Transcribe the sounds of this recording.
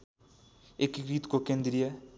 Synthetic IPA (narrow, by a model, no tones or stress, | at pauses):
ekɨkɾit̪ikokẽj̃d̪iɾiɐ